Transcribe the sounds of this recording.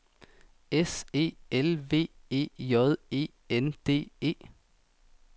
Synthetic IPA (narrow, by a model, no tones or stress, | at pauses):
ese̝̰ːelʋe̝̰ːe̝̰ːjɔðˠe̝̰ː | end̪̥e̝̰ːe̝̰ː